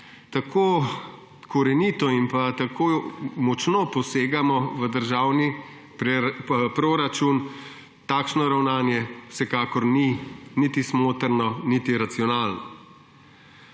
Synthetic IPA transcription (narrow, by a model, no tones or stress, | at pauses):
t̪akʰoː | kɔɾɛnit̪ɔimpat̪akoːmɔt͡ʃnopɔseːɡamɔʋəd̪əɾʒaːwni | ppɾoɾat͡ʃun | t̪aːkʃnɔɾawnaːnjɛw̥sɛkaːkɔɾninit̪ismoːt̪əɾnɔnit̪iɾat̪siɔnaːlnɔ